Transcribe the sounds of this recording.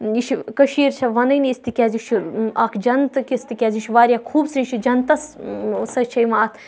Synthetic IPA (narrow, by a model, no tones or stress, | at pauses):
iʃʰikɐʃiːɾt͡ʃʰɐʋɐnɐjnist̪ikʲaːzit͡ʃʰiaːkʰd͡ʒɐnt̪ɨkist̪ikʲaːziʃʰʋaːɾʲjaːkʰuːbsɾit͡ʃʰid͡ʒɐnt̪ɐssɐt͡ʃʰɐjmaːt̪ʰ